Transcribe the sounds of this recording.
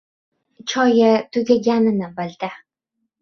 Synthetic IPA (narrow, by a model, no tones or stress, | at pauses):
t͡ʃʰɒjat̪ʰʊɡʲaɡʲanɪnɪbɪld̪a